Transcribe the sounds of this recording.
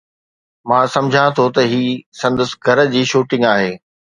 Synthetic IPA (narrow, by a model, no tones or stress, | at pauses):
mãːsɐ̃md͡ʑʱãt̪ʰot̪ɐɦiːsɐ̃nd̪əsɡʱɐɾə̆d͡ʑiːʃuːʈɪ̃ŋɡaːɦeː